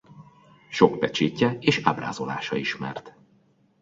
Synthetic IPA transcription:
ʃo̞kpɛt͡ʃeːcːɛeːʃabra̰ːzo̞la̰ːʃɒiʃmɛ̰rt̪

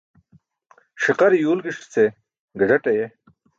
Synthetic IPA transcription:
ʂiqɐɾijuːlɡiʂt͡se | ɡɐʐɐʈɐje

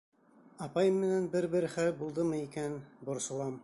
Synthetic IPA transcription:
ɑpɑjɤmːɘ̆nænbɘɾbɘ̆ɾχælbulˠd̪ɤmɤikænbŏɾsŏlˠɑm

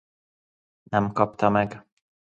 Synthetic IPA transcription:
nɛmkɒpt̪ɒmɛɡ

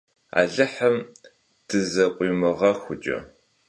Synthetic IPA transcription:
a̰ːɮɨħɐm | d̥ɨzɐqʷʼiːmɨʁɐxʷʊt͡ʃʼɐ̰

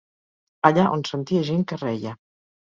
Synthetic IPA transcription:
aʎaʔonsənt̪iaʒeŋkərɛjə

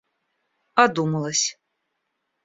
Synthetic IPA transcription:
ad̪uməlˠəsʲ

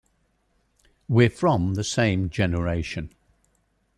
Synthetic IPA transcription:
wɪfɹə̃mðəsẽɪ̃md͡ʒɛnəɹeɪʃə̃n

